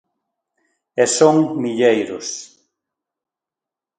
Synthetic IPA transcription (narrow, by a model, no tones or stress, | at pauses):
esoŋmiʎejɾʊs